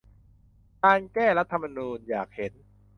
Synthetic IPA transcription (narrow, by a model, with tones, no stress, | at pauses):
kaː˧nkɛː˥˩ɾa˦˥t̪ʰːa˧mːa˧nuː˧njaː˨˩k̚he˩˦n